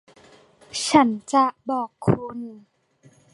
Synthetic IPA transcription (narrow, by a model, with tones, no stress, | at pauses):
t͡ɕʰa˦˥nt͡ɕa˨ʔbɔː˨˩kʰːuː˧niː˧˩˦